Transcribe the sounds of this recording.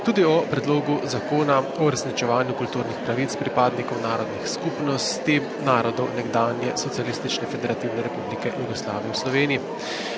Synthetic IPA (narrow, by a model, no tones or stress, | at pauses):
t̪uːd̪iɔpɾɛd̪loːɡuzakoːnaɔuɾɛsnit͡ʃɛʋaːnjukult̪uːɾnixpɾaʋit̪spɾipaːd̪nikɔwnaːɾɔd̪nixskupnɔst̪i | naːɾɔd̪ɔwnɛɡd̪aːnjɛsɔt̪sijalist̪it͡ʃnɛfɛd̪ɛɾat̪iwnɛɾɛpublikɛjuɡɔsla̰ːʋijɛwslɔʋeːnii